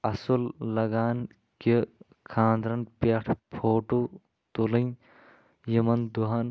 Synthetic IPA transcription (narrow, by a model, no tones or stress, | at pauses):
ɐsullɐɡaːn | ke | kʰãːnd̪ɾɐnpeʈʰpʰoːʈu | t̪ulɐn | jimɐnd̪uɦɐn